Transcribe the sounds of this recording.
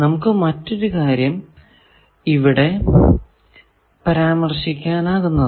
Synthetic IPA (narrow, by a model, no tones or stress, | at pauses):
nɐmukːɨmɐtːo̞ɾukaːɾjɐm | iʋiɽe̞ | pɐɾaːmɐrʂikʲːaːnaːɣunːɐðɨ